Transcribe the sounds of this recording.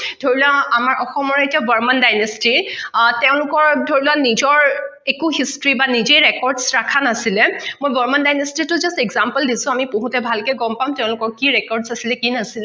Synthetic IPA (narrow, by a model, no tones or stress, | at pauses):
dʱoɹilaamaɹʔɔxɔmɔɹetiabəɹmandajnestitɛʊ̃lʊkɔɹdʱoɹilanizɔɹekuɦistɹibanid͡ʒejɹɛkɔɹdsɹakʰanasilɛmojbəɹmandajnestitʊzastɛɡzampəldisʊ̃amiboɦutɛbʱalkɛɡɔmpamtɛʊ̃lʊkɔɹkiɹɛkɔɹdsasilɛkinasilɛ